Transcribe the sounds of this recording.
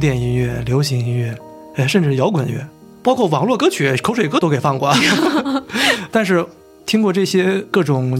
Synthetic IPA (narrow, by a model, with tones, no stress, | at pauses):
t̪jɛ˥˩ni˧˥ŋɥɛ˥˩ljo˧˥ʊɕi˧˥ŋi˧˥nɥɛ˥˩ | e˥˧ʂə˥˧nʈ͡ʂɻ̩˥˩jɑ˧˥ʊkwə˨˩nɥɛ̰˥ | pɑ˥ʊkʰwɔ˥˩wɑ˨˩ŋlwɔ˥˧kɤ˥t͡ɕʰy˨˩kʰo˧˥ʊʂwe˨˩ɪkɤ˥t̪o˥ʊke˨˩fɑ˥˧ŋkwa˥˩ | t̪a˥˧nʂ̬ɻ̩˥˩ | t̪ʰi˥ŋkwɔ˥˧ʈ͡ʂɤ˥˩ɕjɛ˥kɤ˥˩ʈ͡ʂʊ˨˩ŋ